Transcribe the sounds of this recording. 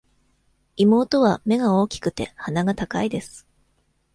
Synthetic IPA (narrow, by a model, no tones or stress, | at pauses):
imo̞ːt̪o̞βame̞ɡao̞ːkʲi̥kɯ̟̥t̪e̞̰hanaɡat̪akaid̪e̞sɨ̥